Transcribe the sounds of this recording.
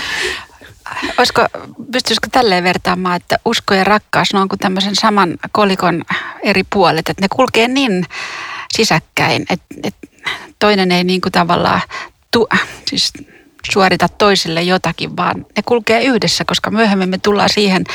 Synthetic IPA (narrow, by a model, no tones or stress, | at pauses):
oiskopyst̪yskot̪ælːeːʋert̪ɑːmːɑːet̪ːæʔuskojɑrɑkːɑːsɑnoɑŋkut̪æmːøsensɑmɑnkolikoneripuɑlet̪et̪nekulkeːniːn | sisækːæinḛt̪et̪toineneiniːŋkut̪ɑʋɑ̰lːɑ̰ː | t̪usiːs | suɑrit̪ɑt̪toisilːejjot̪ɑkiʋʋɑ̰ːnnekulkeːyhdesːækoskɑmyøhemːimːet̪ulːɑ̰ːsiːhen